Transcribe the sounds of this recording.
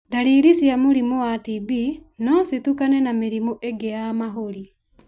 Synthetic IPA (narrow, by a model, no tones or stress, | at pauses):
daɾiɾisjamoɾimowatibinɔsitukanɛnameɾimoʔeɡeamaɦoɾi